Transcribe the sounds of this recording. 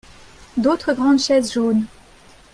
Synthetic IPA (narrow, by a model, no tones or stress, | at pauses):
d̪ot̪χəɡʁɑ̃d̪ʃɛzʒoːn